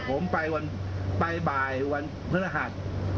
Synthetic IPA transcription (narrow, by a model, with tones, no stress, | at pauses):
pʰo˩˦mpa˧jwa˧npa˧jbaː˨˩jwa˧n | pʰɯ˦˥la˧ɦa˨˩t̪̚